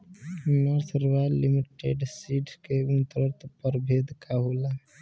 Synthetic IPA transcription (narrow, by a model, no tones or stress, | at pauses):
nəɾsɾʋalimiʈḛɖsiːʈʰkeunt̪əɾəɾt̪ʰpəɾbʱeːd̪kaɦola